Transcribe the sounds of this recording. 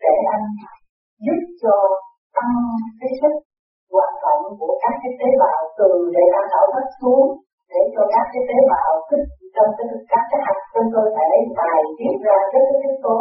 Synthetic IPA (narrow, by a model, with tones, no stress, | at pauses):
ɗe˧˩ʔa˧jŋ̟faː˧˩j | zu˦˥p̚t͡ɕɔ˧ | t̪a˧mka˨˦sɨ˦˥k̚ | kwaː˨˩nt̪wa̰˧˨nku˧˩əkaː˦˥k̚t͡ɕi˨˦˥t̪e˨˦ɓaː˨˩wt̪ɨ˨˩əŋɗe˧˩ʔaː˧˩nɗa̰ː˧˩wka˦˥k̚su˨˦əŋ | ɗe˧˩t͡ɕɔ˧kaː˦˥k̚t͡ɕi˦˥t̪e˨˦ɓaː˨˩wt̪ʰi˦˥k̚t͡ɕɔ˧wŋ͡mkaː˨˦tkaː˦˥k̚ka˨˦ha˦˥jk̚t͡ɕɔ˧ŋ͡mt̪o˧jfaː˧˩jɗə˨˦jmaː˨˩jt̪i˦˥əp̚zaː˧kəː˨˦˥t̚ːt̪ʰi˦˥t̪o˧˦